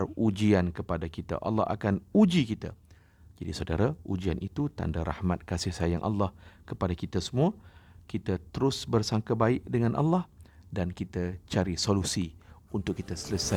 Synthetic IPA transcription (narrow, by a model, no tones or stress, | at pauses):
rud͡ʒiankəpadakit̪a̰ʔa̰lːɑ̰ha̰kanud͡ʒikit̪a̰ | d͡ʒadisawda̰ɾaud͡ʒianʔit̪ut̪a̰ndaɾa̰hmat̪̚kasɪhsajaŋʔa̰lːɑhkəpadakit̪asəmũakit̪at̪əɾʊsbərsaŋkabaɪʔdəŋãnʔa̰lːɑhdankit̪at͡ʃaɾisolusiunt̪ʊkːit̪asələsa